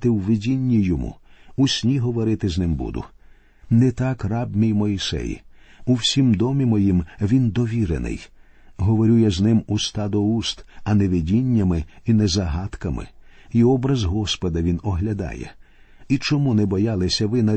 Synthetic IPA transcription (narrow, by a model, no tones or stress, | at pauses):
t̪ɪwʋɪdʲinʲːijɔmṵusʲnʲiɦɔʋɔɾɪt̪ɪznɪmbṵd̪ʊ̰ | nɛt̪ɑkrɑbmʲijmɔisɛ̰jḭuwsʲimd̪ɔmʲimɔjimʋʲind̪ɔʋʲiɾḛnɪ̰j | ɦɔʋɔɾʲujɐznɪmust̪ɑd̪ɔust̪ɐnɛʋɪdʲinʲːɐmɪinɛzɐɦɑt̪kɐmɪ̰iɔbɾɐzɦɔspɔd̪ɐʋʲinɔɦlʲɐd̪ɑ̰jɛ̰ | it͡ʃɔmunɛbɔjɑlˠɪsʲɐʋɪnɐ